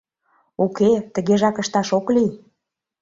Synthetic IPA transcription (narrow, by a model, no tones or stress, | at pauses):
uket̪ə̆ɣeʒɑkəʃt̪ɑʃoklij